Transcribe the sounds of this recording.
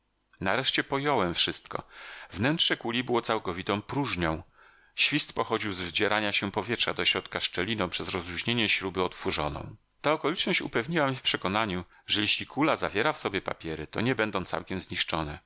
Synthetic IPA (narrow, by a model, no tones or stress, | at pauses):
naɾɛʂt͡ɕɛpɔjɔwɛmfʂɘst̪kɔ̰vnɛntʂɛkulʲibɘwɔt̪sawkɔvʲit̪ɔ̃w̃pɾuʐɲɔ̃w̃ | ɕfʲist̪pɔxɔd͡ʑiwzvd͡ʑɛɾʔaɲaɕɛpɔvʲjɛtʂad̪ɔɕɾɔt̪kaʂt͡ʂɛlʲinɔ̃w̃pʂɛzɾɔzɾuʑɲeɲɛɕɾubɘɔt̪fuʐɔnɔ̰̃w̃ | t̪aɔkɔlʲit͡ʂnɔɕt͡ɕṵpɛvɲiwamʲifpʂɛkɔnaɲu | ʐɛjɛɕlʲikʰulazavʲjɛɾafsɔbʲjɛpa̰pʲjɛɾɘt̪ɔɲɛbɛnd̪ɔ̃w̃t̪sa̰wkʲɛmzɲiʂt͡ʂɔnɛ